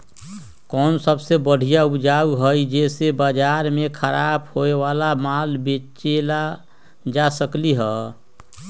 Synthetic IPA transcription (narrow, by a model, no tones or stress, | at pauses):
kɔːnsəbsebəɽ̤ijaud͡ʒauɦəjd͡ʒesebad͡ʒaɾmekʰəɾabhoeʋalamalbet͡ʃela | d͡ʒasəkliɦɛ